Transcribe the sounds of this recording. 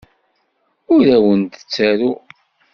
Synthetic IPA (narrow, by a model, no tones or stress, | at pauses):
ʊɾæwənt̪ə̥t͡sːæɾu